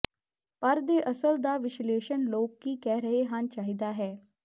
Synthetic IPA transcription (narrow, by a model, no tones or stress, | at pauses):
pəɾd̪eːʔəsəld̪aːʋɪʃleːʃənloːkːiːkɛːɾəɦeːɦant͡ʃaːɦiːd̪aːɦɛː